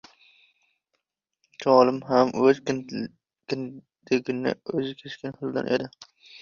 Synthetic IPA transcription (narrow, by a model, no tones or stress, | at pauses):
t͡ʃʰɒːlˠɪmɦamɵz | kʲɪn | d̪̥eɡʲɪnɪ̰ɵzɪkʲʰet͡ʃkʲɪnhɨlˠd̪a̰nʔed̪ɪ